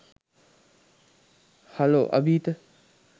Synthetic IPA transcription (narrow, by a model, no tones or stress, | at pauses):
hɐlo̰ːʔɐ̰biːt̪ə